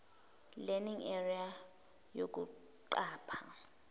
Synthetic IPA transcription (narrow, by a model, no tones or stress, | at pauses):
lɛniŋɛria | jok̬ʼṵ | ǃaːpʰa